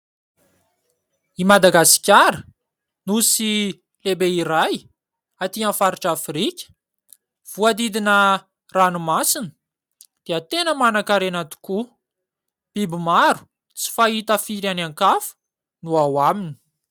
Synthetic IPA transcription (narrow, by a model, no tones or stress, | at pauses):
imad̪aɡasi̥kʲaɾə | nusi | lebeiɾaj | at̪iafaɾiʈ͡ʂafrikʲə̥ | v̥uad̪id̪inə | ranumasinə̥ | d̪̥eat̪enəmanakaɾanat̪i̥ku | b̥ibimaɾu̥ | t͡si̥faɦit̪afiɾianaŋkafu̥ | nuawamini̥